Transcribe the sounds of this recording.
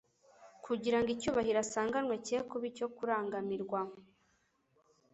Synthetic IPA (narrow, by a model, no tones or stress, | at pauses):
kʰuɟiɾaŋɡicuːβahiɾasaːŋɡanŋweceːkuβico̞kuɾaːŋɡamiɾɡwa